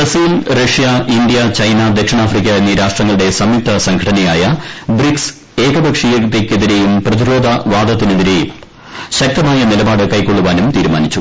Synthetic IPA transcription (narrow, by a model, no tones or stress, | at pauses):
bɐsiːlrɐʂijɐʔind̪ijɐt͡ɕɐjnɐd̪ekʂɐɳaːfrikʲːɐenːiɾaːʂʈrɐŋːɐɭuɽe̞sɐmip̚t̪ʰɐsɐŋɡʰʱɐɽɐnɐjaːjɐbɾiks | e̞ːkɐbɐkʂijɐt̪ːekʲːeðiɾe̞jumprɐðiɾo̞ːd̪ʱɐʋaːd̪ɐt̪ːineðiɾe̞jum | ɕɐk̚t̪ɐmaːjɐnilɐbaːɽɨkɐjkːo̞ɭːuʋaːnumt̪iːɾuma̰ːnit͡ɕːu